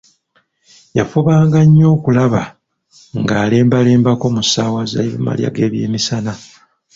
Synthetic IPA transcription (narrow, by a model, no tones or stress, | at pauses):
jafuβaːŋɡaɲːo̞ːkulaβa | ŋɡaːle̞ːmbale̞ːmbako̞musaːwaza̰eβḭma̰lja̰ɡeːβje̞ːmisana